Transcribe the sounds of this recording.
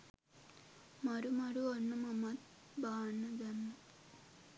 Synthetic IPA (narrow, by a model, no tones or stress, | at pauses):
mɐɾumɐɾuɐɳːɐmɐmɐd̪ | bʱaːɳːɐd͡ʒɐnːu